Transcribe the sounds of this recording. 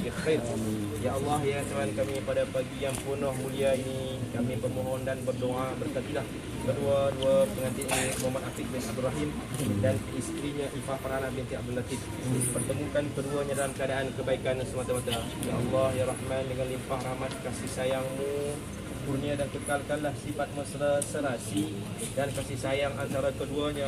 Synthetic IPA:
axajrjaʔɑlːɑhjat͡ʃamankamipadapaɡiaŋpənɔhmuliaini | kamibərmoɦɔndanbərdoʔabərkat̪ilah | kəduaduapəŋat̪iʔnimamat̪ʔafɪk̪̚bɪnab̚d̪urɾaɦimdanist̪ɾiɲaʔimpahpəɾanaʔbint̪ia̰b̚dulat̪if̚ | pərt̪əmukankəduaɲadalamkəadaʔankəbaikansəmat̪amat̪a | ja̰ɑlːɑhjaɾɑhmandəŋanlimpahrahmat̪̚kasihsajaŋmu | puniadankəkalkanlahsifat̪̚məsɾasəɾasi | dankasisajaŋant̪aɾakəduaɲa

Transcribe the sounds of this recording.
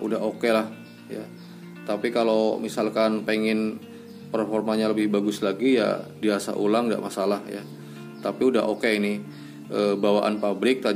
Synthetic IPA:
udaɦokelah | ja̰ | t̪apikalowmisalkanpeŋɪn | pərfɔrmaɲaləbɪhbaɡʊslaɡija̰diasa̰ʔulaŋda̰ʔmasalahja̰ | t̪apiudaɦokeinɪ | əbawaʔa̰npabɾɪk̚t̪a

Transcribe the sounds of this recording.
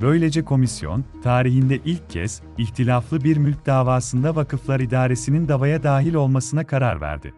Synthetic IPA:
bø̞jlʲe̞d͡ʒɛkʰo̞misjo̞̰nt̪ʰaːɾiɦind̪ɛʔilʲcʰːɛ̰z̥ | içt̪ʰilʲaflˠɯbiɾmylʲcd̪aːvaːsɯnd̪avakɯflˠaɾid̪aːɾe̞sinind̪avajad̪aːɦilʲo̞lˠmasɯnakʰaɾa̰ɾvæ̰ɾd̪ɪ̰

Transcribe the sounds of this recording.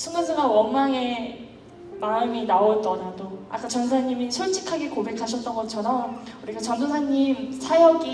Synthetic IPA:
sʰuŋɡasʰɯɡawʌnmaŋe̞ | maɯminaʌt͈ʌnadoa̰k͈at͡ɕʌns̬ʰaɲimisʰuɭt͡ɕʰi̥kʰaɡekobe̞kʰaɕ̬ʰʌt͈ʌnɡʌt͡ɕʰʌɾʌmuɾik͈at͡ɕʌndosʰaɲimsʰajʌɡi

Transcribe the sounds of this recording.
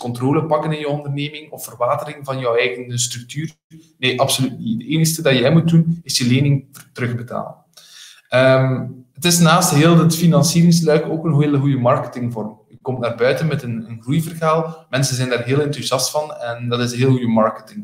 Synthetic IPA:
kɔntroːləpɑkənɪnjɔwɔndərneːmɪŋɔfərʋaːtəɾɪŋvɑnjœwɛjɣənstɾɵk̚tyːr | neːʔɑpsolytnidəeːnəxstədɑjɛjmut̚dunɪsjəleːnɪŋtəɾɵɣbəta̰ːlə̰n | əmətɪsnaːstɦeːlˠətfinɑnsiːɾɪŋslœɥkoːkənɦeːlˠɦujəmɑrkə̥tɪŋvɔrmjəkɔmtnaːrbœɥtənmɛtənənɣrujvərɣaːlˠmɛnsənzɛjndaːrɦeːlɛntuzjɑstfɑnɛndɑtɪsənɦeːlˠɣujəmɑɹkətɪŋ

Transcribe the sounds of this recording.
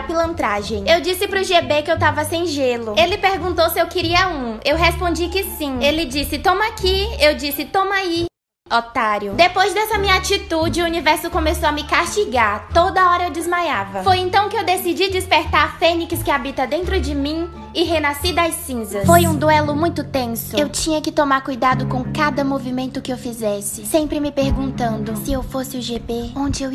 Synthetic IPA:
pilɐ̃nt̪ɾaʒẽj̃ewd͡ʒisɪpɾʊʒebekɪewt̪avɐsẽj̃ʒelʊelɪpeɾɡũt̪owsɪewkɪɾiɐũewɦespõnd͡ʒikɪsĩelɪd͡ʒisɪt̪õmakʰiewd͡ʒisɪt̪õmai | ot̪aɾjʊd̪epojzd̪ɛsɐmĩɲɐat͡ʃit̪ud͡ʒɪuunivɛɾsʊkõmesowɐmɪkaʃt͡ʃiɡaɾt̪od̪ɐɔɾɐewd͡ʒɪzmajavɐfojẽnt̪ɐ̃w̃kɪewd̪esid͡ʒid͡ʒɪspeɾt̪aɾfẽnikɪskɪabit̪ɐd̪ẽnt̪ɾʊd͡ʒɪmĩ | ɪɦenasid̪ɐjsĩzɐsfojũd̪uɛlʊmũj̃t̪ʊt̪ẽsʊewt͡ʃĩɲɐkɪt̪omaɾkujd̪ad̪ʊkõkad̪ɐmovimẽnt̪ʊkɪewfizɛsɪsẽmpɾɪmɪpeɾɡũnt̪ɐ̃nd̪ʊsɪewfosɪʊʒepeõd͡ʒɪew

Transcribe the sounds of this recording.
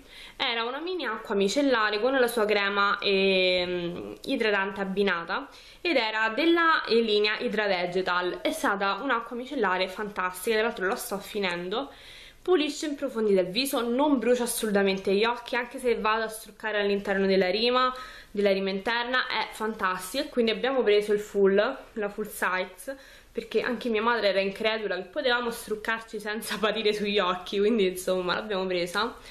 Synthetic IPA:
ɛːɾaunamiːniaakːwamit͡ʃelːaːɾekonːelasuːakɾɛːmaɛ | id̪ɾad̪ant̪eabːinaːt̪a | ed̪ɛːɾad̪elːaliːneaʔid̪ɾad̪ɛd͡ʒet̪alɛst̪aːt̪̬aunakːwamit͡ʃelːaːɾefant̪ast̪ikad̪alːalt̪ɾolast̪ɔfːinɛnd̪o | puliʃːeimpɾofond̪id̪alviːzonombɾuːt͡ʃaːsːolut̪ament̪eʎːɔk̟ːiaŋk̟esevːaːd̪oast̪ɾukːaːɾealːint̪ɛrnod̪elːaɾiːma | d̪elːaɾiːmaint̪ɛrnaʔɛfːant̪ast̪ikkːwind̪iabːjaːmopɾeːzoilfullafulsajt̪s | perk̟eʔa̰ŋk̟emiːamaːd̪ɾeɛːɾaiŋkɾɛːd̪ulak̟epːot̪evaːmost̪ɾukːart͡ʃisɛnt̪sapat̪iːɾesuʎːɔkʰːikwind̪insomːa̰lʔa̰bjaːmopɾeːza

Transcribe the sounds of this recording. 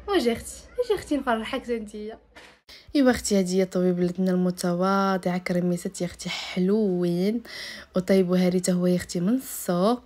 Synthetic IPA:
wæʒixt̪æʒæxt̪infɑrˤːɑħakzænd̪əjːa | əbæxt̪ihæd̪əjːæt̪ˤɑbibləd̪nælmʊt̪æwɑd̪ˤiʕakɾˤəmisæt̪jəxt̪iħluwinwt̪ˤɑjəbɦæɾit̪ahʊwːæjəxt̪imənsˤo

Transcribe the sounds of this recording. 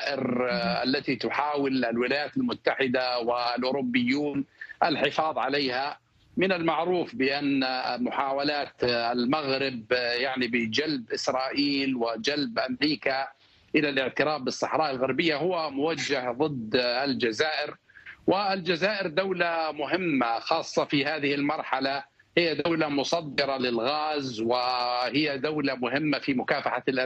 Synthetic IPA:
ʔɪɾa̰lːat̪it̪ʊħaːwɪllwɪlaːjaːt̪almʊt̪ːaħɪd̪awɪlʔʊɾʊbːɪjːuːnʔalħɪfɑːðˤʕaleːha | mɪnalmaʕɾuːfbɪʔanːmʊħaːwalaːt̪almaɣɾɪbjaʕnibɪd͡ʒalbʔɪsɾˤɑːʔiːlwɪd͡ʒalbʔamɾiːka | ʔɪlalɪʕt̪ɪɾaːfːɨsˤːɑħɾˤɑːʔalɣaɾˤbɪjːaɦʊwːamʊwad͡ʒːahðˤɨd̪ːald͡ʒazaːʔɪɾ | wɪld͡ʒazaːʔɪɾd̪awlamʊɦɪmːaxɑːsˤːɑfihaːðɪhɪlmɑɾˤħala | hɪjːad̪awlamʊsˤɑd̪ːɨɾˤɑlɪlɣaːzwɪhɪjːad̪awlamʊɦɪmːafimʊkaːfaħalʔa

